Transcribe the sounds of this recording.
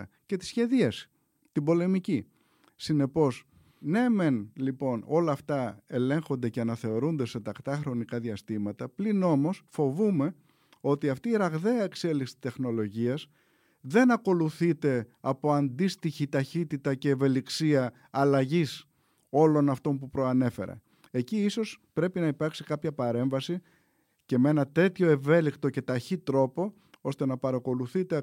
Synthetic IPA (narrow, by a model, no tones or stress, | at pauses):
ce̞t̪i̥sçe̞ðiɐsi̥ | t̪ibo̞le̞mici | sine̞po̞s | ne̞me̞nlipo̞no̞lɐːft̪ɐe̞le̞ŋxo̞nd̪e̞ceɐnɐθe̞o̞ɾund̪e̞se̞t̪ɐkt̪ɐxɾo̞nikɐðiɐst̪imɐt̪ɐplino̞mo̞sfo̞vume̞ | o̞t̪iɐft̪iːɾɐɣðe̞ɐe̞kse̞liksi̥t̪e̞xno̞lo̞ʝiɐs | ðe̞nɐko̞luθit̪e̞ɐpo̞ɐnd̪ist̪içit̪ɐçit̪it̪ɐce̞ːve̞liksiɐː | lɐʝis | o̞lo̞nɐft̪o̞mpupɾo̞ɐne̞fe̞̰ɾɐ̰ | e̞ciiso̞spɾe̞pinɐipɐɾksikɐpçɐpɐɾe̞ɱvɐsi | ce̞mee̞nɐt̪e̞t̪ço̞e̞ve̞likt̪o̞ce̞t̪ɐçit̪ɾo̞po̞ | o̞st̪e̞nɐpɐɾɐko̞luθit̪e̞